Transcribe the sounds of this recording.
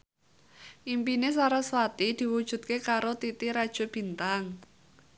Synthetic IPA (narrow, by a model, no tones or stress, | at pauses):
ʔimpinesaɾaswat̪id̪̥i̤wud̥ʒ̥ṳt̪̚kekaɾot̪it̪iɾad̥ʒ̥o̤b̥i̤nt̪aŋ